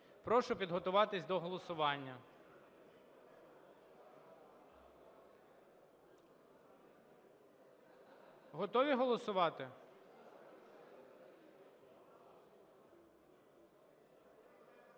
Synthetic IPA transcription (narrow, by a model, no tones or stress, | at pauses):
pɾɔʃʊpʲid̪ɦɔt̪ʊʋɑt̪ɪsʲd̪ɔɦɔlˠɔsʊʋɑnʲːɐ | ɦɔt̪ɔʋʲiɦɔlˠɔsʊʋɑt̪ɪ